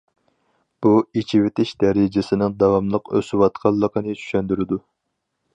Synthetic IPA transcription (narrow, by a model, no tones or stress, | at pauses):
b̥uit͡ʃʰivɪt̪ʰɪʃd̪ɛɾɪd͡ʒɪsɪnɪŋd̪ɑwɑmlˠəqø̰swɑt̪qʰɑlˠːəqənɨt͡ʃʰy̥ʃɛnd̪yɾɪd̪u